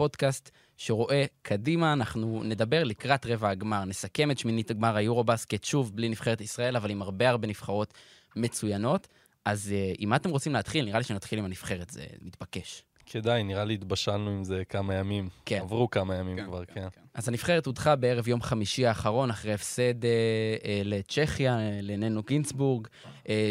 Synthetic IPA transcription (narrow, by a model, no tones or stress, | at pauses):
po̞dkast̪ | ʃeʁo̞ʔe̞kʰadimaːnaχnune̞d̪abe̞ʁlikʁatʁe̞vaːɡmaʁne̞sake̞met̪ʃminit̪aɡmaʁajuʁo̞basket̪ʃuvblinifχe̞et̪isʁae̞lavalimaʁbe̞aʁbe̞nifχaʁo̞t̪ | me̞t͡sujano̞t̪ | ʔazʔimat̪emʁot͡simleːt̪χilniʁaliʃenat̪χilimanifχe̞ʁet̪zḛmit̪bake̞ʃ | kʰed̪ajniʁaliːt̪baʃalnuimzekamajamimkenavʁukamajamimkvaʁkenazanifχe̞ʁet̪ud̪χabeeʁe̞vjo̞mχamiʃiaːχaʁo̞naχʁejefse̞d̪eelet͡ʃe̞χjalenenuɡinsbuʁɡ